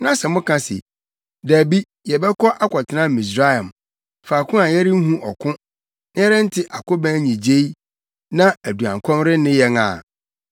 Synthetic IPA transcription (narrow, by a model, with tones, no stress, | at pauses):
nã˦sɛ˨mʊ̃˦kʰã˦sɪ̰˨ | dæː˨bi˦ | jɛ˨bɛ˦kʰɔ˦ʔa˦kʰɔ˨tʰɪ˨nã˦˨mĩ˨s̬ɾa˦jã˨m | faː˨kʰʊ̃˦a˨jɛ˦ɾɪ˦ŋ̩˦ɦũ˦ʔɔ˨kʰʊ̃˦ | n˦ɛ˦ɾɛ˦n̩˦tʰɪ˦ʔa˨kʊ˦bæ̃˦ɲĩ˨d͡ʑe˦i˦ | nã˦æ˨du˨ã̰˨ŋkʷʰɔ̃˦mɾɪ˦nɪ̃˦jɛ˦ŋã̰˨